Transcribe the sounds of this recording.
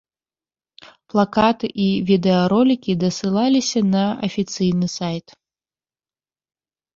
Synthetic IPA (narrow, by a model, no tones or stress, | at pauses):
plˠakat̪ɨʔivʲid̪ɛɐɾɔlʲikʲid̪ɐsɨlˠalʲisʲɐnɐɐfʲit̪sɨjnɨsajt̪